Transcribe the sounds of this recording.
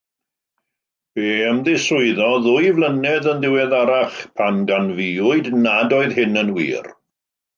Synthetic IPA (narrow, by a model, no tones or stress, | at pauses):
b̥eːəmðɪsʊɨðɔðʊjvlənɛðənðɪwɛðaɾaχpʰanɡanviʊɨdnadoɨðhɪnənwḭːr